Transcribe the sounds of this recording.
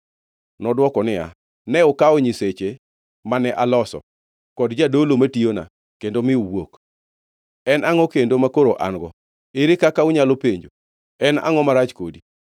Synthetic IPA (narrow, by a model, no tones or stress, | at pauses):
nɔdwɔkɔnɪja̰ | nɛɔkaɔɲiset͡ʃe | manɛʔalɔsɔ̰ | kɔdd͡ʒadolomationa̰ | kendomɪuwok | ɛnʔaŋɔkendomakoɾoʔa̰ŋɡɔ̰ | ɪɾɪkakaʊɲalopeɲd͡ʒo | ɛna̰ŋɔmaɾat͡ʃkodi